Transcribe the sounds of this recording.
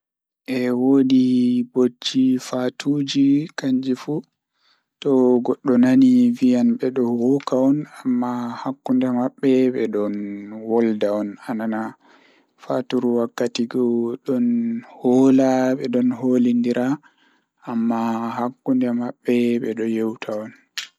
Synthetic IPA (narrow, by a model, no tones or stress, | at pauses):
ʔɛwodibod͡ʒːifatʰud͡ʒikaɲd͡ʒifu | tɔɡɔɗːɔnanivijanɓɛɗɔwɔkaɔnamːahakːundɛmaɓːɛɓɛɗɔnwɔldaɔnanana | fatuɾuwakːatiɡɔɗɔnhɔlaɓɛɗɔnɦolindiɾʔa | amːahakːundɛmaɓːɛɓɛɗɔjɛwtʰaɔn